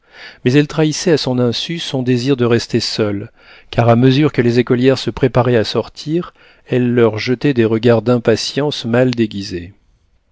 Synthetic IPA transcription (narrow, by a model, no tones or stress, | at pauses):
mɛzɛlt̪χaisɛasɔ̃nɛ̃sysɔ̃d̪eziʁd̪əʁɛst̪esœl | kaʁaməzyʁkəlezekɔljɛʁsəpχepaʁɛasɔʁt̪ʰiʁ | ɛlːœʁʒət̪ɛd̪eʁəɡaʁd̪ɛ̃pasjɑ̃smald̪eɡʲize